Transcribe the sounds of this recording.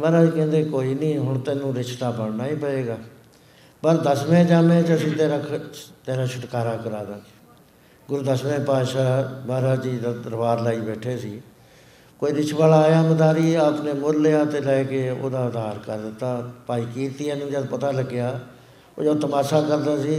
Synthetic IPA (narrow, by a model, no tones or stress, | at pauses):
baːɾaːd͡ʒikɛ̃ːnd̪eːkoːiːnĩːɦʊɳt̪ɛːnũːɾɪt͡ʃt̪aːbəɽnaːiːpəeːɡaː | pəɾd̪əsmẽːd͡ʒaːmẽːt͡ʃəsĩːt̪eːɾaːt̪eːɾaːʃʊʈ̪kaːɾaːkəɾaːd̪aːsi̥ː | ɡʊɾuːd̪əsmẽːpaːd̪ʃaːbaːɾaːd͡ʒiːd̪aːd̪əɾbaːɾlaːiːbɛːʈʰeːsiː | koːiːɾɪt͡ʃʰbaːlaːjaːmd̪aːɾiːaːpneːmʊd̪leːaːt̪eːlɛːkeːo̰ːd̪aːʊd̪aːɾkəɾd̪ɪt̪ːaːpaːiːkiːt̪ɪãːnũːd͡ʒaːd̪pət̪aːləɡejaː | o̰ːd͡ʒəd̪t̪əmaːsaːkəɾd̪aːsiː